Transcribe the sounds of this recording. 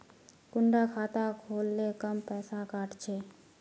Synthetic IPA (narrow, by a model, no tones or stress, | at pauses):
kʊɳɖakʰaːt̪akʰoːlːekəmpɛːsakaːʈʰt͡ʃʰeː